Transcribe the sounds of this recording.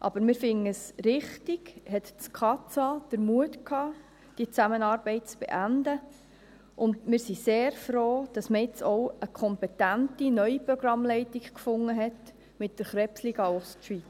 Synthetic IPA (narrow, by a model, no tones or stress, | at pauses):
ʔɑ̰b̥əɾmɪɾfɪŋəsɾɪχtiɡhɛtskʰɑt͡sɑd̥əɾmuətkʰhɑː | d̥iət͡sæmənɑːɾb̥ɛɪt̚t͡sb̥ḛʔændə | ʔʊndmɪːɾsiseːɾfɾoːd̥ɑsməɪt͡sɔʊəkʰɔmpɛtæntinœʏipɾɔɡ̥ɾɑmlɛɪtikkfʊŋːəɦɛt | mɪt̚dəɾχɾɛpsliːɡɑɔstʃʋit͡s